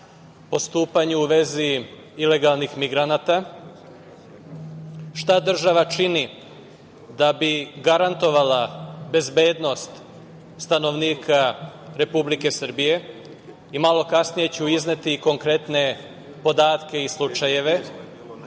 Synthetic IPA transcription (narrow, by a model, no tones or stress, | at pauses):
po̞st̪uːpaɲuuʋe̞zi | ile̞ɡalˠnixmiɡɾanat̪a | ʃt̪ad̪r̩ʒaʋat͡ʃini | d̪abiɡaɾant̪o̞ʋalabe̞zbe̞ːd̪no̞st̪ | st̪ano̞ʋniːkʰaɾe̞publike̞sər̩bije̞ | imalo̞kasnije̞t͡ɕeuiznet̪iko̞ŋkɾe̞t̪ne̞ | po̞d̪aːt̪ke̞islˠut͡ʃaje̞ʋe̞